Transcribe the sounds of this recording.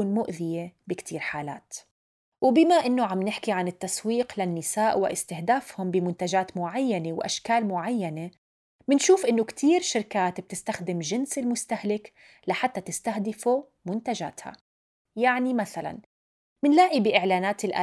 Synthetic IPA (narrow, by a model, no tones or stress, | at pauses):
uːnmʊʔðɪjebɪkt̪ʰiːɾħaːla̰ːt̪ | wbɪmaʔɪnːoʕamnɪħkiʕanɪt̪ːaswiːqlanːɪsaːʔwɪ̰ʔɪ̰st̪ɪhd̪aːfhʊmbɪmʊnt̪aʒaːt̪mʊʕajːanewʔa̰ʃkaːlmʊʕajːane | mɪnʃuːfʔɪnːokt̪ʰiːɾʃɪɾkaːt̪b̥̚t̪ɪst̪axd̪ɪmʒɪnsɪlmʊst̪ahlɪk | laħat̪ːat̪ɪst̪ahd̪ɪfu | mʊnt̪aʒa̰ːt̪ha̰ | jaʕnimaθala̰n | mɪnlaːʔibɪʔɪʕlaːnaːt̪ɪlʔa̰ː